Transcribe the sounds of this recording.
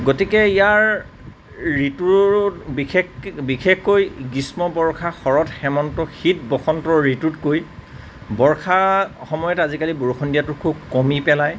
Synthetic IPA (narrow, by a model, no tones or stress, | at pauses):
ɡotikɛijaɹː | ituɹbikʰekbikekxːojɡismɔbɔɹkʰaxɔɹɔtxɛmɔntɔxit̚bɔxɔntɔɹitutkoj | bɔɹkʰaxɔmɔjɔtazikaliboɹuxʰɔndijatʊkʰubkɔmipɛlaj